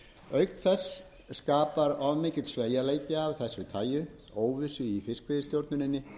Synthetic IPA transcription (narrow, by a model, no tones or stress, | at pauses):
œɥk̚nθɛsː | kaːpaɾɔvmɪːcɪt̪sveːjaleːjt̪ɪavθɛsːʏt̪ʰaːjʏ | oːwvɪsʏifɪskvɪðɪst̪jowɾt̪nʏnɪnːɪ